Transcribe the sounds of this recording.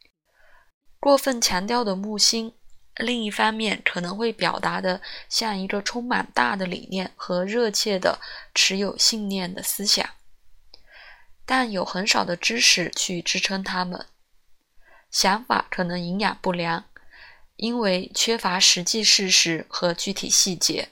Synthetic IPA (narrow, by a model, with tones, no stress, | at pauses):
kwɔ˥˧fə˥˩nt͡ɕʰjɑ˧˥ŋt̪jɑ˥ʊd̪ə˨˩mu˥˩ɕi˥nli˥˧ŋi˥˩fɑ˥ŋmjɛ˥˩nkʰɤ˨˩nɤ˧˥ŋxwe˥˩ɪpjɑ˨˩ʊt̪a˧˥d̪ə˧ɕjɑ˥˩ŋi˧˥ɡə˧ʈ͡ʂʰʊ˥ŋma̰˨˩nt̪a˥˩d̪ə˩lḭ˨˩njɛ˥˩nxɤ˧˥ɻɤ˥˧t͡ɕʰjɛ˥˩d̪ə̰˩ʈ͡ʂʰɻ̩˧˥jo˨˩ʊɕi˥˧ŋnjɛ˥˩nd̪ə˩sɹ̩˥ɕjɑ̰˨˩˦ŋ | t̪a˥˩njo˨˩ʊxə˧˥nʂɑ˨˩ʊd̪ə˦ʈ͡ʂɻ̩˥ʂɻ̩˥˩t͡ɕʰy˥˩ʈ͡ʂɻ̩˥ʈ͡ʂʰɤ˥ŋt̪ʰa˥mə̰˨˩n | ɕjɑ˧˥ŋfa̰˨˩kʰɤ˨˩nɤ˧˥ŋi˧˥ŋja̰˨˩npu˥˩ljɑ˧˥ŋ | i˥nwe˥˩ɪt͡ɕʰɥɛ˥fa˧˥ʂɻ̩˧˥t͡ɕi˥˧ʂɻ̩˥˩ʂɻ̩˧˥xɤ˧˥t͡ɕy˥˩t̪ʰḭ˨˩ɕi˥˩t͡ɕjɛ˧˥